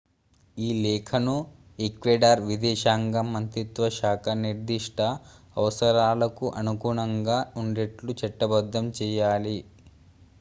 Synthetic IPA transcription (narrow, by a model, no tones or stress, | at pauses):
iːlɛːkʰɐnu | ekʋeːɖaːɾʋid̪ɛːʃaːŋɡɐmːɐnt̪ɾit̪ʋɐʃaːkʰɐniɾd̪iʂʈɐː | ʋɐsɐɾaːlɐkuʔɐnukuːɳɐŋɡaːuɳɖeʈlut͡ʃɛʈːɐbɐd̪ːɐmt͡ʃɛːjaːli